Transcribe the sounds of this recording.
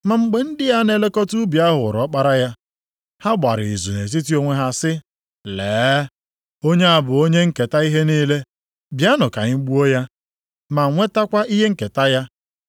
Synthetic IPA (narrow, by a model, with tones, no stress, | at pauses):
ma˨ŋ͡m̩˨ɡ͡be˨n̩˦dɪ˦ja˦ne˨le˦kɔ˦tu˦bja˦ɦʊ˨ɾɔ˨˦k͡pa˦ɾa˦ja˦ | ha˦ɡ͡ba̰˨ɾɪ˨i˨zu˨ne˨s̬i˦ti˦o˦ŋʷe˦ɦa˦sɪ˦ | leː˨˦ | o˦ɲe˦a˨bʊ˨o˦ɲe˦ŋ̩˦ke˨ta˦i˦ɦe˦niː˦le˦ | bja˦nʊ˨ka˨ɲɪ˦ɡ͡bu˦o˦ja˦ | ma˨ŋʷe˦ta˦kʷa˦i˦ɦe˦ŋ̩˦ke˨ta˦ja˦